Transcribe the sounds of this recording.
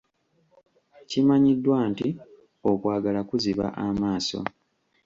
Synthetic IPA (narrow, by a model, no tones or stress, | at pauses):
cimaɲidːwaːnti | o̞kwaːɡalakuziβa̰ʔamaːso̞̰